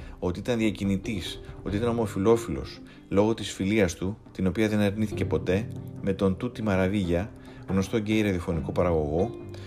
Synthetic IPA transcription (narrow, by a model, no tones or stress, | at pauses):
o̞t̪iit̪ɐnðiɐcinit̪iso̞t̪iit̪ɐno̞mo̞filo̞filo̞̰s | lo̞ɣo̞t̪isfiliɐst̪ut̪ino̞piɐðe̞nɐɾniθice̞po̞t̪e̞me̞t̪o̞nt̪ut̪imɐɾɐviʝɐ | ɣno̞st̪o̞ɟe̞iɾeðiofo̞niko̞pɐɾɐɣo̞ɣo̞